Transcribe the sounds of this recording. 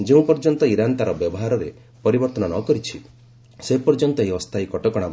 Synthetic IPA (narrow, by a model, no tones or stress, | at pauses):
d͡ʒeũpɔɾd͡ʒɔnt̪ɔiɾant̪aɾɔbjɔbɔɦaɾɔɾe | pɔɾibɔɾt̪ɔnɔnɔkɔɾit͡ʃʰi | sepɔɾd͡ʒɔnt̪ɔeɦiɔst̪ʰaikɔʈɔkɔɽ̃a